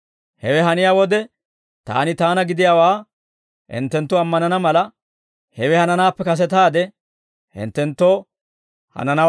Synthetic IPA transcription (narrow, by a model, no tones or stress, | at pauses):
hɛwɛɦɐnɪjaːwɔd̪ɛ | t̪a̰ːnɪt̪aːnɐɡɪd̪ɪjaːwaː | ʔɪ̰nt̪ːɛnt̪ːɔɐmːɐnɐnɐmɐlɐ | hɛwɛhɐnɐnaːpːɛkɐs̬ɛt̪aːd̪ɛ | hɪ̰nt̪ːɛnt̪ːoː | hɐ̰nɐnɐ